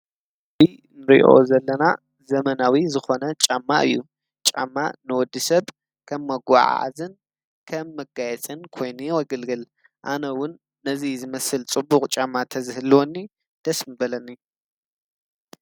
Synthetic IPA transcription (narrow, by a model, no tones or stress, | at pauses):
bi | nɨɾḭʔo̞̰zɐlːɐna | zɐmɐnawizɨxo̞nɐt͡ʃʼamːaʔɨjːu | t͡ʃʼa̰mːanɨwɔd̪ːisɐβ | kʰɐmːɐɡʷa̰ʕ̰a̰zɨn | kʰɐmːɐɡajɛt͡sʼɨnkʰo̞jnuwɔɡɐlɡɨl | ʔa̰nɐwʊnː | ɐzizɨmɐsɨlt͡sʼɨbʊkʼt͡ʃʼamːat̪ʰɐzɨhɨlwɔnːi | d̪̥ɐsmɨbɐlɐnːi